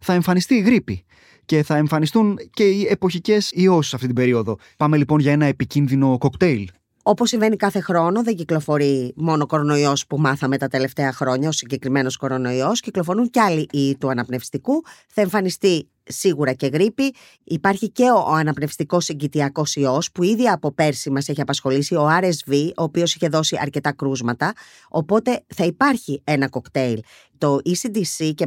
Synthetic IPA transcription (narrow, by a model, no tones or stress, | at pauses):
θɐe̞ɱfɐnist̪iːɣɾipi | ce̞θɐe̞ɱfɐnist̪unce̞iepo̞çice̞sio̞sisɐft̪it̪ibe̞ɾio̞ðo̞ | pɐme̞lipo̞nʝɐe̞nɐe̞picinðino̞kokt̪e̞il | o̞posːiɱve̞nikɐθe̞xɾo̞no̞ðe̞ɲɟiklo̞fo̞ɾimo̞noko̞ɾo̞no̞io̞spumɐθɐme̞t̪ɐt̪e̞le̞ft̪e̞ɐxɾo̞ɲɐo̞siɲɟe̞kɾime̞no̞sko̞ɾo̞no̞io̞sciklo̞fo̞ɾunceɐliʔit̪uɐnɐpne̞fst̪ikuθɐeɱfɐnist̪i | siɣuɾɐce̞ɣɾipi | ipɐɾçice̞o̞ɐnɐpne̞fst̪iko̞siɲɟit̪iɐko̞sio̞spuiðiɐpo̞pe̞ɾsimɐse̞çiɐpɐsxo̞lisio̞ɐɾezvio̞ːpio̞siçe̞ðo̞siɐ̰ɾce̞t̪ɐkɾuzmɐt̪ɐ | o̞po̞t̪e̞θɐipɐɾçie̞nɐko̞kt̪e̞il | t̪o̞ʔisid̪isice